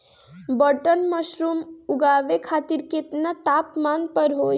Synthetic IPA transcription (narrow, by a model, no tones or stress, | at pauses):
bəʈənməʃɾumuɡaːʋekʰaːt̪iɾket̪nət̪aːpmaːnpəɾɦoː